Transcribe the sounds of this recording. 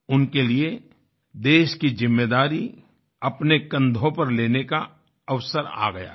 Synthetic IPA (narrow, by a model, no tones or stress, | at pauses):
ʊnkelie | d̪eːʃkizɪmːeːd̪aːɾi | ɐpnekə̃nd̪ʱõpɐɾleːneka | ɐʋsəɾa̰ːɡɐja̰ː